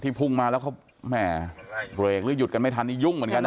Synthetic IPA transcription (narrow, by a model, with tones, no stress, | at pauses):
t̪ʰiː˥˩pʰu˥˩ŋmaː˧lɛ˦˥wkʰa˥˩ | mɛː˥˩bɾeː˨˩k̚lɯ˦˥˦ju˨˩t̪̚ka˧nma˥˩jt̪ʰa˧nt̪ʰiː˥˩ju˥˩ŋmɯ˩˦ənka˧n